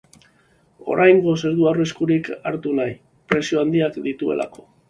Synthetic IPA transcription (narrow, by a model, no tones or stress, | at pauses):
o̞̰ɾʔajŋɡo̞se̞ɾðuawreskuɾikaɾt̪unaj | pɾe̞sio̞and̪iakd̪it̪ue̞̰lʔa̰ko̞̥